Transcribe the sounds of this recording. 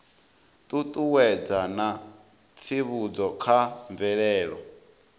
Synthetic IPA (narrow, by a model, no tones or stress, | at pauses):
t̪ʼut̪ʼuwɛd͡zana | t͡sʰiβud͡zɔkʰaɱvɛɺɛːɺɔ